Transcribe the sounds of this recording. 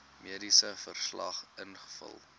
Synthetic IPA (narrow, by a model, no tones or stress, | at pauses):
miədisəfərslɐ̰χənχə̥fə̰lˠ